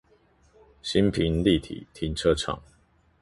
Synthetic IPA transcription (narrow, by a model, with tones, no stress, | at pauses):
ɕi˦npʰi˧˦nli˥˨t̪ʰḭ˨˩˦t̪ʰi˧˥nʈ͡ʂʰɤ˦ʈ͡ʂʰɑ̰˨˩˦ŋ